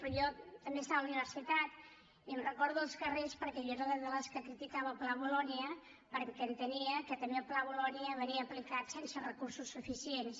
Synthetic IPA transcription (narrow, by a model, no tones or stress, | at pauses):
pɾɔʒɔt̪əmbest̪aβəluniβ̞əɾsit̪at̪ | iəmrəkɔɾðuəlˠskərespəɾkɛʎɔɾəðəzðələskəkɾit̪ikaβəplaβulɔniə | pəɾkɛnt̪əniəkət̪əniəplaβulɔniəβəniəːplikat̪sensərəkuɾsusːufisiens